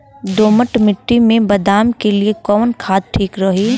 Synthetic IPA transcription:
d̪oːməʈmɪʈːimẽbɐd̪aːmkeliekɔːnkʰaːd̪̚ʈʰiːkɾɐɦiː

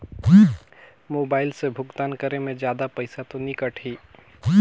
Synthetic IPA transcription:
moːbaːɪlsebʱʊɡt̪aːnkəɾemẽd͡ʒjaːd̪apəɪsat̪onɪkəʈʰiː

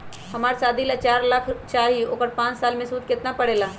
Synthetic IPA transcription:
hɐmaːɾsaːd̪ʱilat͡ʃaːɾləkʰt͡ʃaːɾio̰ːkəɾpãːt͡ʃsaːlmẽsuːd̪̚kɪt̪napɐɽeːlaː

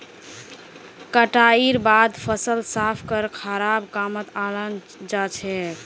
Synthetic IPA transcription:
kəʈaiɾbad̪pʰəsəlsapʰkəɾkʰəɾabkamət̪alən | d͡ʒat͡ʃʰɛ

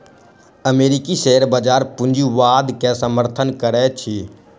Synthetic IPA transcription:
əmeːɾikiʃeɦəɾbəd͡ʒaːɾpʊ̃nd͡ʒuʋaːd̪kɛsəməɾt̪ʰənkəɾɛt͡ʃʰi

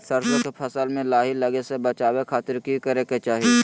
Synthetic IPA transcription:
səɾsokepʰɐsəlmẽlaːɦilɐɡesebɐt͡ʃaːwekʰaːt̪ɪɾkikɐɾeket͡ʃaːɦie

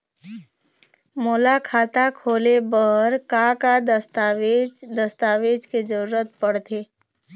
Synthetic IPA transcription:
moːlakʰaːt̪akʰoːlebəɦəɾkakad̪əst̪aʋed͡ʒd̪əst̪aːʋeːd͡ʒkezəɾuːɾət̪̚pəɽt̪ʰeː

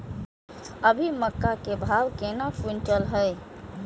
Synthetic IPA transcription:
əbʱiməkːakebʱaːwkeːnapunt͡ʃəlɦɛɪ

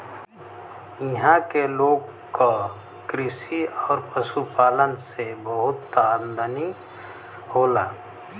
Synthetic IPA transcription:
jiɦãkeloːɡ | ka | kɾɪsiɔːɾpəsupaːlənsebəɦʊt̪ːand̪əni | hoːlaː

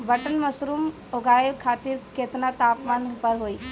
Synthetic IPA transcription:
bəʈənməsɾuːm | oɡaːjokʰaːt̪iɾkeːt̪nat̪aːpmaːnpəɾɦoːi

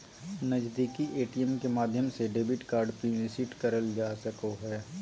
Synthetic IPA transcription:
nɐd͡ʒd̪iːkiʔeːʈiəmkemaːd̪ʱjəmseɖeːbɪʈkaːɾɖpiːlɪsɪʈkɐɾəld͡ʒaːsɐkoɦɛː

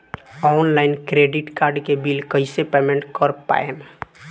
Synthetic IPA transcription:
ɔnlaɪnkɾeɖiʈkaɾɖkebilkəɪsepemẽɳʈkəɾpa̰em

